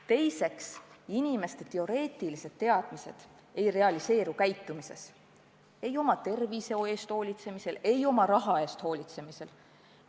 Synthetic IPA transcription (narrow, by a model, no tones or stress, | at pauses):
t̪e̞jse̞ksinime̞st̪e̞t̪e̞o̞ɾe̞ːt̪ˑilise̞d̪̥t̪ːe̞ɑd̪̥mise̞d̪̥ | e̞jre̞ɑlise̞ːɾukæjt̪ːˑumise̞̰s | e̞jo̞mɑt̪e̞rvise̞oe̞ːst̪ho̞ːlʲit̪se̞mise̞le̞jo̞mɑɾɑɦɑe̞ːst̪ho̞ːlʲit̪se̞mise̞l